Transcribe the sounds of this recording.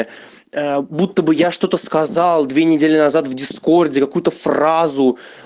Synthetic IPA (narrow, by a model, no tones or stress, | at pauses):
əbut̪ːəbɨjaʂt̪o̞t̪əskɐzalˠd̪vʲenʲɪdʲelʲɪnɐzat̪vdʲɪsko̞rdʲɪkɐkujʊt̪əfrazʊ